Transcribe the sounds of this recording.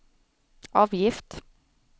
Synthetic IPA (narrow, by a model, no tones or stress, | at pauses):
ʔɑːʋjɪft̪